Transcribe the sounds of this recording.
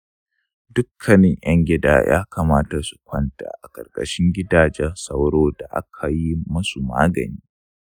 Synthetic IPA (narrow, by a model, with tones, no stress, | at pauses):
dʊ˦kʰːɐ˨nɪ˨ŋʔjɐ˦ŋɡʲɪ˦da̰ː˦jʔa̰ː˦ka˨maː˦ta˨su̥˨kʷɐ˦nta̰ː˨ʔa˨kʼɐ̰˨rkʼɐ˨ʃɪ˦ŋɡʲɪ˦daː˨d͡ʒɛ˦rsɐ˦wɽoː˦da˨ʔa̰˦kʰa˨ji˦mɐ˦su˨ma̰ː˦ɡɐ̰˨niː˦